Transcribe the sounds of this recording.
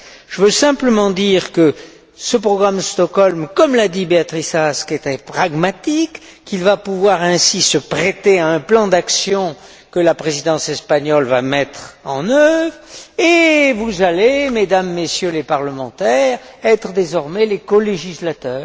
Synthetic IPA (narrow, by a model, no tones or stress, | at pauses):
ʒ̥əvøsɛ̃pləmɑ̃d̪iʁkə | səpχɔɡʁaməst̪ɔkɔlmkɔmlad̪ibeat̪χisaskɛt̪χɛpχaɡmat̪ikː | ilvapuvwaʁɛ̃sisəpχet̪eaɛ̃plɑ̃d̪aksjɔ̃ | kəlapχezid̪ɑ̃sɛspaɲɔlvamɛt̪χɑ̃nœvʁevuzalemed̪amːesjølepaʁləmɑ̃t̪ɛʁɛt̪χəd̪ezɔʁmɛlekɔleʒislat̪œːʁ